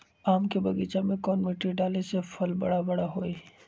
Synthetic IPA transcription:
aːmkebɐɡiːt͡ʃamẽkɔːnmeːʈɾiɖaːlesefɐlbɐ̰ɽabɐɽaɦoːiː

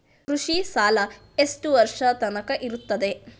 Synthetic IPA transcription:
kɾuʂisaːlɐ | esʈuʋɐɾʂɐt̪ɐnɐkɐʔiɾut̪ːɐd̪e

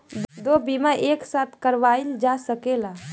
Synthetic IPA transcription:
d̪d̪obimaʔeksat̪ʰkəɾʋaild͡ʒasəkela

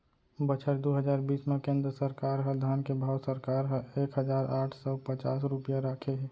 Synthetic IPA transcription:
bət͡ʃʰəɾd̪oɦəzd͡ʒaːɾbiːsmekẽːnd̪ɾəsəɾkaːɾɦəd̪ʱaːnkebʱaːwsəɾkaːɾɦəeːkɦəd͡ʒaːɾaːʈʰsɔpət͡ʃa̰ːsɾʊpijaɾaːkʰeɦɛ

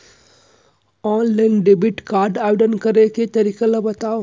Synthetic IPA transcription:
ɔːnlajnɖebiʈkaːɾɖaʋeɖənkəɾeket̪ɐɾikelɐbɐt̪aːo

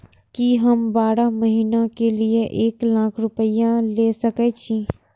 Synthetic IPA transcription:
kiɦəmbaːɽaməɦiːnakelieʔeːklaːkʰɾʊpəijãleːsɐkɛt͡ʃʰĩː

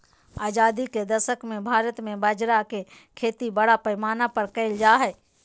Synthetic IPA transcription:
aːd͡ʒaːd̪iked̪ɐʃəkmẽbʱaːɾət̪mẽbad͡ʒɾake | kʰeːt̪ibɐɽapɐɪmaːnapɐɾkɐɪld͡ʒaːɦɛː

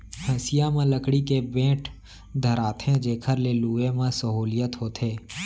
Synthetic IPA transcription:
hʰə̃sijamãləkɽikebẽːʈʰ | d̪ʱəɾaːt̪ʰẽd͡ʒeːkʰəɾleluːemãsəɦuːlijət̪ɦoːt̪ʰeː

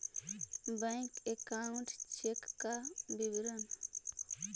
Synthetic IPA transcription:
bəjŋkekauɳʈt͡ʃʰekːabibɾən

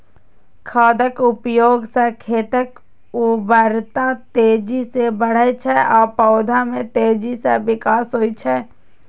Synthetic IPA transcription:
kʰaːd̪əkʊpjoːɡsɛkʰeːt̪ək | ubəɾt̪at̪eːd͡ʒisebəɽ̤əet͡ʃʰɛʔɔːpɔːd̪ʱamẽt̪eːd͡ʒiseʋɪkaːsɦoːit͡ʃʰɛ

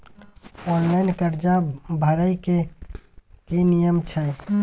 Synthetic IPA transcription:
ɔnlaɪnkəɾd͡ʒabʱəɾəike | kenijəmt͡ʃʰɛ

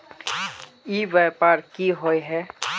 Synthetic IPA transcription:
ibɛpaɹkiɦɔjɦɛ

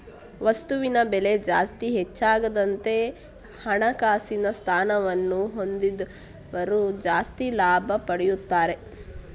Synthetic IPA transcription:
ʋɐst̪uʋinɐbele̞d͡ʒaːst̪iɦet͡ʃːaːɡɐd̪ɐnt̪e̞ | hɐɳɐkaːsinɐst̪ʰaːnɐʋɐnːuɦo̞nd̪id̪ | ʋɐɾud͡ʒaːst̪ilaːbʱɐpɐɽɛjut̪ːaːɾe̞

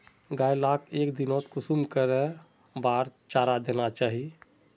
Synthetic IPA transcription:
ɡaːjlaːkʰeːkd̪ɪnoːt̪kʊsumkəɾe | baːɾt͡ʃaːɾad̪eːnat͡ʃaːɦie

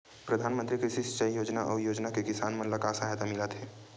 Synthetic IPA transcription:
pɾəd̪ʱaːnmə̃nt̪ɾikɾiʃisə̥t͡ʃəijoːd͡ʒnaʔɔːɾjoːd͡ʒnakekɪsaːnmə̃nləkasəɦt̪amɪlət̪ɦɛː

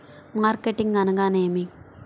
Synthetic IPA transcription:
maːɾkeʈːiŋɡɐnɐɡaːneːmi

